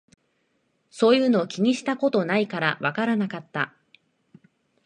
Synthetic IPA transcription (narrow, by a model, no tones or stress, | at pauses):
so̞ːjɯ̟ːno̞ːkʲiɲ̟iɕi̥t̪ako̞t̪o̞naikaɾaβakaɾanakat̪ːa̰